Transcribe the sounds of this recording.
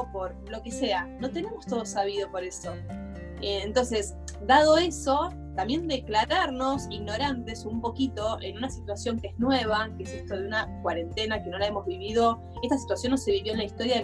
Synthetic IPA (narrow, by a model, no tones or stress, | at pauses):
po̞ɾ | lo̞keseano̞t̪e̞ne̞most̪o̞ð̞osaβ̞ið̞opo̞ɾe̞so̞ | eːnt̪o̞ns̬e̞s | d̪að̞o̞e̞so̞ | t̪ambje̞nd̪eklaɾaɾnosiɣno̞ɾant̪e̞sumpo̞kit̪o̞ʔenunasit̪wasjo̞ŋkeeznwe̞β̞akeesest̪oðeunakwaɾe̞nt̪e̞nake̞no̞lae̞mo̞zβiβiðo̞ | e̞st̪asi̥t̪wasjo̞nːose̞βiβjo̞enlaist̪o̞ɾja